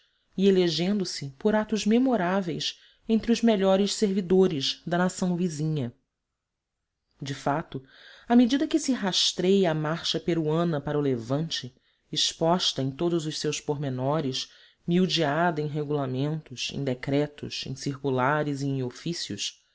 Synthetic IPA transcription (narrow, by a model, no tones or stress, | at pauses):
ieleʒẽnd̪ʊsɪpoɾat̪ʊzmemoɾavejs | ẽnt̪ɾɪʊzmeʎɔɾɪʃseɾvid̪oɾɪzd̪ɐnasɐ̃w̃vizĩɲɐ | d͡ʒɪfat̪ʊ | amed͡ʒid̪ɐkɪsɪɦaʃt̪ɾejamaɾʃɐpeɾuɐ̃nɐpaɾɐʊlevɐ̃nt͡ʃɪː | ʃpɔʃt̪ɐẽj̃t̪od̪ʊzʊʃsewspoɦmenɔɾɪs | miwd͡ʒiad̪ɐẽj̃ɦeɡulamẽnt̪ʊʃḛ̃d̪ekɾɛt̪ʊ̰sḛ̃j̃sihkulaɾɪziẽj̃ofisjʊ̰s